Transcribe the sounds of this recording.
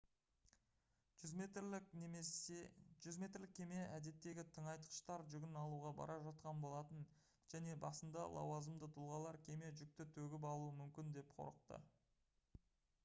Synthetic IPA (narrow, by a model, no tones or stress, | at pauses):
ʒʏzme̞t̪ɾlɪkʲʰe̞me̞æd̪e̞t̪ːe̞ɡʲɪt̪ʰəɴɑjt̪ə̥qʃt̪ɑɾʒʏɡʲɪnɑlˠuʁɑbɑ̰ɾʔɑʒɑt̪̚qɑnbo̞lˠɑt̪ən | ʒ̥æne̞bɑsənd̪ɑ̰lˠʔɑ̰wɑzəmd̪ət̪ʰʊlˠʁɑlˠɑɾkʲʰe̞me̞ʒʏk̚t̪ɪt̪ʰɵɡʲɪp̬ɑlˠuəmʏmkʲɪnd̪e̞pqʰo̰ɾəq̚t̪ə̰